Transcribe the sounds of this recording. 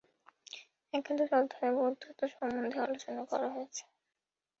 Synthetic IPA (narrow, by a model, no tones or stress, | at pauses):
ɛkʰed̪ʱoɾɔd̪ʱːaebud̪ʱːot̪oʃɔmːond̪ʱealot͡ɕonakɔ̰ɾaɦojet͡ɕʰe̥